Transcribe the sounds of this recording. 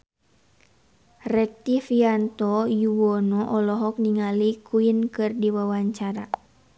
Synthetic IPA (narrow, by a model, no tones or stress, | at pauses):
rɛk̚t̪ifiant̪ɔjuwɔnɔʔɔlɔɦɔk̚niŋalikʰuinkɨrdiwawaɲt͡ʃaɾa